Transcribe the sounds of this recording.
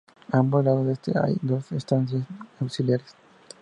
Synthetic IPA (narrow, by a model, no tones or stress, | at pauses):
ambolaðod̪est̪ʰea̰jd̪osest̪ansjesawksiljaɾes